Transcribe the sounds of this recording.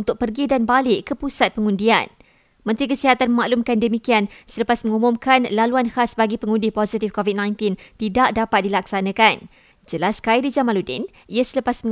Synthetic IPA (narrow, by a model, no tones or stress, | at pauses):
nt̪ʊk̚pərɡidanbalɪkəpusat̪̚pəŋundia̰n | mə̃nt̪ɾikəsiɦat̪anməmaʔlumkandəmikiansələpasmə̃ŋumumkanlaluanhasbaɡipəŋundipozit̪ifkɔvit̚nãjnt̪int̪idaʔ̚dapat̪̚dilaksanãkan | d͡ʒəlaskaidid͡ʒamaludɪ̰n | iasələpasmə